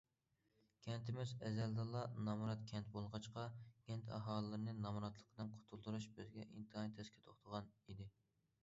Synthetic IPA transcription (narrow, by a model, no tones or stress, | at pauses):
kʲʰɛnt̪ʰɪmɪzɛzɛld̪ɑlˠːɑnɑmɾɑt̪kʲʰɛnt̪̚bolˠʁɑt͡ʃqɑkʲʰɛnt̪ʰɑ̰ɦɑːlˠəːɨɾɨnɨnɑmɾɑt̪lˠəqʰəd̪ɨnqʰo̥t̪ʰulˠd̪uɾuʃbɪzɡʲɛʔint̪ʰɨɦɑnt̪ʰɛskʲʰɪ̥t̪ʰoχt̪ʰəʁɑnid̪ɪ